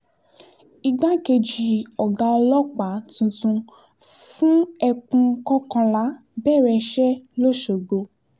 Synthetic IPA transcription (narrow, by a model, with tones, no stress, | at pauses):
i˧ɡ͡ba˦ke˧d͡ʒi˧ɔ˨ɡa˧lɔ˦k͡pa˨˦tũ˧tũ˧ | fũ˦ɛ˧kũ˧˦kɔ̃˦kã˧la˨˦ | bɛː˦˨ɾɛ˧ʃɛ˦lo˦ʃo˨ɡo˧